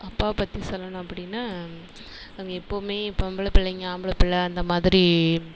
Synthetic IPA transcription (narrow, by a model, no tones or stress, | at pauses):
ɐpːaːpɐt̪ːisɔlːɐnʊ̃ɐpːɐɽɪnːaː | ɐŋɡɐɪpːoːmeːɪpːoɐmbɐɭɐpɪɭːɐŋɡɐaːmbɐɭɐpɪɭːɐːnd̪ɐmaːðɪɾi